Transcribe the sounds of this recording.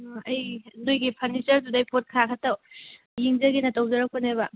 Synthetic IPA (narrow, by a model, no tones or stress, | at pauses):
ɐjnojɡipʰɐnisɐɾdudajpʰot̚kʰakʰɐtːɐw | jiŋd͡ʒɐɡinɐtɐwzɐɾɐk̚pʰonebɐ